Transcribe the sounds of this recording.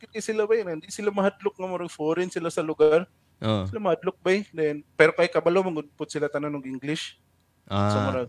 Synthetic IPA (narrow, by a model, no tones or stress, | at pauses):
kɪd̪̚kɐjsɪlabɐjnɪnd̪isɪlamɐhad̪lʊk̚ŋɐmoɾɐŋfoːɾɪnsɪlasɐlʊɡaɾ | ʔosɪlamɐhad̪lʊk̚bajd̪ɛnpɛːɾokajkɐbɐlomɐɡʊd̪pʊd̪̚sɪlat̪ɐnanoɡʔɪŋɡlɪʃ | asɐmɐɾa